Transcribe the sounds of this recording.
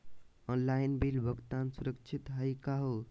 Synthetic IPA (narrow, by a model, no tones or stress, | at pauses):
ɔnlajnbilbəɡt̪ansuɾək̚t͡ʃʰit̪ɦəjkaɦo